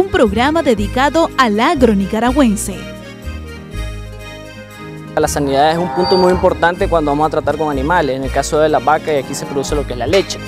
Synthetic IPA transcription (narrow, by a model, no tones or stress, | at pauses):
umpɾo̞ɣɾamaðe̞ðikaðo̞alaɣɾonikaɾaɣwe̞nse̞̰ | alasaniðaðe̞sumpunt̪o̞mujimpo̞ɾt̪ant̪e̞kwand̪oβamosat̪ɾat̪aɾko̞ŋanĩmaleseŋe̞lkasoðe̞laβakaiakise̞pɾo̞ðuse̞lo̞keezlale̞t͡ʃe